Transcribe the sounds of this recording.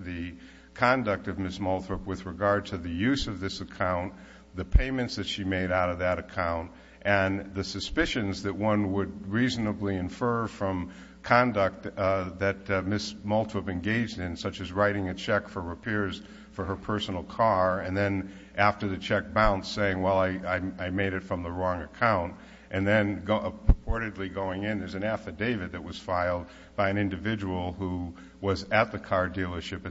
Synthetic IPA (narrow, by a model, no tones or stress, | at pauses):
ðɨ | kʰɑ̃ndʌk̚tʌvmɪsmɔlˠtʰɹɨpwɨðɹɨɡɑɹd̚tʰɨðɨjʉzʌvðɪsɨkʰãʊ̃n | ðɨpʰẽɪ̃mɨ̃ntsðɨtʃimeɪɾaʊɾʌvðɨɾɨkʰãʊ̃nt | ʔɨ̃nðɨsɨspɪʃɨ̃nzðɨt̚wʌ̃nwəd̚ɹizn̩əbliɨ̃ɱfɜ˞fɹʌ̃m | kʰɑ̃ndək̚t̪̚ðɨt̚mɪsmɔlˠtʰɹɨpɨ̃nɡeɪd͡ʒdɨ̃nsʌt͡ʃɨzɹaɪɾɪ̃ŋɨt͡ʃʰɛkfə˞ɹɨpʰɛɹz̥ | fə˞ə˞pʰɜ˞sn̩l̩ˠkʰɑɹɨ̃nðɨ̃n | ʔæftə˞ðɨt͡ʃʰɛk̚b̥ãʊ̃ntseɪɪ̃ŋwɛlˠaɪaɪaɪmeɪɾɨtfɹʌ̃mðəɹɔ̃ŋɨkʰãʊ̃nt | ʔɨ̃nðɨ̃nɡoəpəpʰɔɹɾɨdˡliɡoʊɪ̃ŋɪ̃nðə˞zɨ̃næfɨdeɪvɨd̪̚ðɨt̚wʌz̥faɪlˠd̚ | b̥aɪɨ̃nɪ̃ndɨvɪd͡ʒəwl̩ˠhu | wʌzɨt̪̚ðɨkʰɑɹdilˠə˞ʃɨp